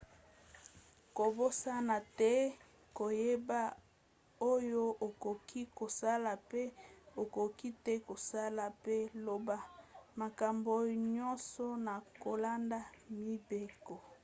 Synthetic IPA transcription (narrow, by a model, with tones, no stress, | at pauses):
ko˨bo˦sa˦na˨tɛ˦ | ko˨je˦ba˦ | o˦jo˦o˨ko˨kʰi˦ko˨sa˦la˨pe˦o˨ko˨ki˦tɛ˦ko˨sa˦la˨pe˦lo˨ba˦ma˨ka˨mbo˨ɲɔ˦nsɔ˦na˨ko˨la˦nda˦mi˦be˦kɔ˨